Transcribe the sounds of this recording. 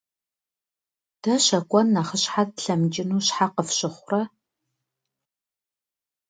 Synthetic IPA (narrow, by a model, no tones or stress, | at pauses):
d̥ɐɕɐkʷʼɔnːaχəɕħat̚ɬɐmd͡ʒʼɪnuːɕħaqəfɕɪχʷʊrɐ